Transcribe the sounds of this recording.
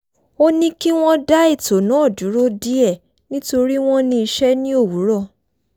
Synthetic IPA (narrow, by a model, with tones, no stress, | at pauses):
o˦nĩ˦ki˦w̃ɔ̃˦da˦i˦˨to˨nãː˨˦˨du˨˦ɾo˦di˦ɛ˦˨ | nĩ˦to˧ɾi˦w̃ɔ̃˦nĩ˧i˧ʃɛ˦nĩ˦o˦˨wu˨˦ɾɔ˦˨